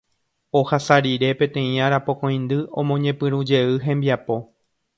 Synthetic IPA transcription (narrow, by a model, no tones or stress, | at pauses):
o̞hasaɾiɾe̞pẽ̞t̪ẽ̞ĩaɾapo̞kõj̃nd̪ɨõmõɲẽ̞pɨɾũd͡ʒe̞ɨɦẽ̞mbiapo̞